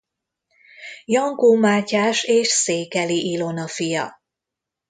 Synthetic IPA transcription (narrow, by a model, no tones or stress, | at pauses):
jɒŋkuːmaːcaːʃeːʃseːkɛliʔilo̞nɒfijɒ̰